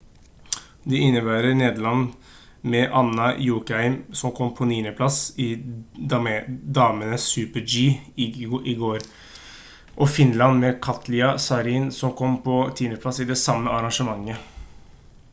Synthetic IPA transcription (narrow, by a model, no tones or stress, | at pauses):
d̪ɛɪnːəbæːɾəneːd̪əɭɑnː | mɛʔɑnːɑjuːkəhæɪmsɔmkʰɔmːpʰɔniːnəpʰlɑsɪd̪d̪ɑːmənəsʉːpəd͡ʒiː | ʔɪɡoːɾ | ʔɔfɪnlɑnmɛkʰɑt̪lɪɑsɑɾiːnsɔmkʰɔmːpʰɔt̪ʰiːnəpʰlɑsɪd̪ɛsɑmːəɑɾɑŋʂəmɑŋːə